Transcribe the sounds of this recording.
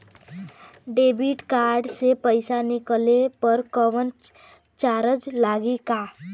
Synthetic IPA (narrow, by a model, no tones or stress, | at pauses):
ɖeːbiʈkaːɾɖsepəɪsanɪkəlepəɾkəʋən | t͡ʃaːɾəd͡ʒlaːɡikaː